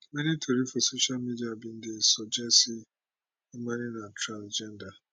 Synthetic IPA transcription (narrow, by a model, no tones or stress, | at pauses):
menitʰoɾifosoʃalmidiabin̩dɪsɔd͡ʒɛsi | maninatʰɾãnd͡ʒɛnda